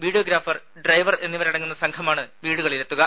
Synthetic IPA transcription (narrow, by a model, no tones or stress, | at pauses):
ʋiːɽijoɡɾaːfɐr | ɖrɐjʋɐre̞nːiʋɐɾɐɽɐŋːunːɐsɐŋkʰɐmaːɳɨʋiːɽuɣɐɭiɾet̪ːuɣɐ